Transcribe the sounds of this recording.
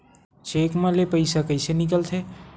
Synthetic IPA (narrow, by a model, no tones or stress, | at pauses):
t͡ʃeːkmãlepəɪsakəɪsenɪkəlt̪ʰe